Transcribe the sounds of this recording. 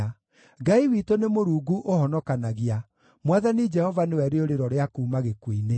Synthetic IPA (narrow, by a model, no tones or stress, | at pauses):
ɡaiwiːtonemoɾuːɡuʔohɔnɔkanaɣia | mwaðanid͡ʒɛhɔvanewɛɾeoɾeɾɔɾeakuːmaɣekwine